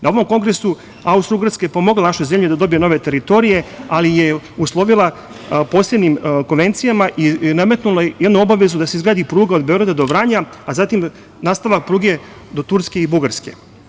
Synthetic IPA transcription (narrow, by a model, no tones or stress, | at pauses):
naoʋo̞mko̞ŋɡɾe̞su | aust̪ɾuɡaɾskajepo̞mo̞ɡlanaʃojze̞mʎed̪ad̪o̞bijeno̞ʋet̪e̞ɾit̪o̞ɾije̞alijeuslˠo̞ʋilˠa | po̞ːse̞bnimko̞nʋe̞nt̪sijamaʔiname̞t̪nulajed̪nuo̞baʋe̞zud̪aseizɡɾaːd̪ipɾuːɡao̞d̪̚beo̞ɡɾad̪ad̪o̞bɾaːɲaːzat̪im | naːst̪aʋak̚pɾuːɡe̞ | d̪o̞t̪uɾske̞ibuɡaɾske̞̰